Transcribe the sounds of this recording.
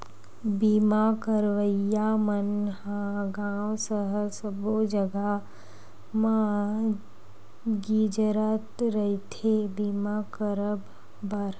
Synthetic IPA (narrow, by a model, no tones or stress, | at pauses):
biːmaːkəɾʋəjaːmənɦãɡãːwsəɦəsəbod͡ʒəɡa | mã | ɡiːd͡ʒəɾat̪ɾəit̪ʰebiːmaːkəɾəbː | əɾ